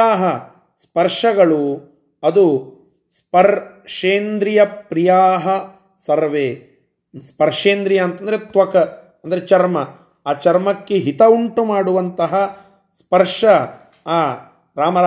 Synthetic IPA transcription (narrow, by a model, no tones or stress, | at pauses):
aːɦɐ | spɐɾʂɐɡɐɭu | ɐd̪u | spɐɾʂeːnd̪ɾijɐpɾijaːɦɐ | sɐɾʋeː | spɐɾʂeːnd̪ɾijɐːnt̪ɐnd̪ɐɾet̪ʋɐkɐ | ɐnd̪ɐɾet͡ʃɐɾmɐ | aːt͡ʃɐɾmɐkːeɦit̪ɐuɳʈumaːɽuʋɐnt̪ɐɦɐ | spɐɾʂɐː | ɾaːmɐ